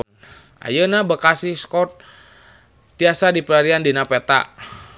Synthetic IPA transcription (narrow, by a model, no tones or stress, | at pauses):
a̰jənabəkasihskɔt̪̚ | iasadipəlaɾiandinapɛt̪a̰